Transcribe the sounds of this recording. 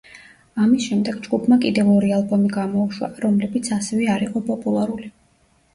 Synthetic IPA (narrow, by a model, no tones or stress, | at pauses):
amisʃɛmd̪ɛɡd͡ʒɡupʰmakʼid̪ɛvɔɾialˠbɔmiɡamɔuʃwa̰ɾɔmlɛbit̪sʰasɛvɛaɾiqʼɔpʼɔpʼulˠaɾuli